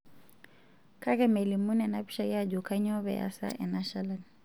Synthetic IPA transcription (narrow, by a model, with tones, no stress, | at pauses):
kʰa˦kɛmɛ˨li˨mu˦nɛ˨na˦pi̥˦ʃa˨ja˦d͡ʒu˨ka˦ɲɔ˦βɛ̰˨a̰sa̰˦ʔɛ̰˨naʃa˦la˨n